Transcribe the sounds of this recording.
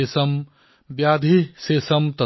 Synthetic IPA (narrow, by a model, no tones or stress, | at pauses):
esɐm | bjaːd̪ʱiseːsɐmt̪ɐ